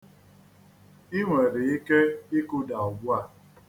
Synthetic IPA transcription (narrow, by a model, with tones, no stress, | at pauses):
i˦ŋʷe˨ɾɪ˨i˦ke˦i˦kʊ˦da˨ɔ˨ɡu˦a˦˨